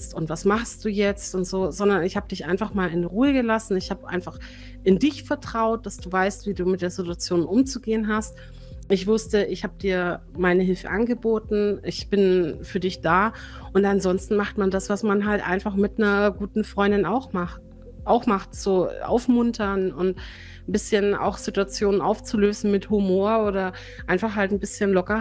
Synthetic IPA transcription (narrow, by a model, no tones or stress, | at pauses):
stʊntvasmaχstd̥uːjɛt͡stʊntz̥oːzɔndɐnɪçhaːbədɪçʔa̰ɪnfaχmaːlɪnʁuːəɡəlasn̩ɪçhaːbəʔa̰ɪnfaχ | ʔɪndɪçfɛɐtʁ̥aʊt̚d̥asd̥uːvaɪstv̥iːduːmɪt̚d̥eːɐzɪtuat͡sjoːnʔʊmt͡suɡeːənɦast | ɪçv̥ʊstəɪçhaːbədiːɐ | maɪnəɦɪlfə̰ʔanɡəboːtn̩ɪçb̥ɪnfyːɐdɪçd̥aːʔʊntanzɔnstn̩maχtmandasv̥asmanɦaltʔa̰ɪnfaχmɪtnɐɡuːtn̩fʁ̥ɔʏndɪnaʊxmaχt | ʔaʊxmaχtz̥oːʔa̰ʊfmʊntʰɐnʊnt | n̩bɪsçəna̰ʊxz̥ɪtuat͡sjoːnənʔa̰ʊft͡suløːzn̩mɪthumoːɐoːɾɐ | ʔaɪnfaχhaltn̩bɪsçənlɔkɐ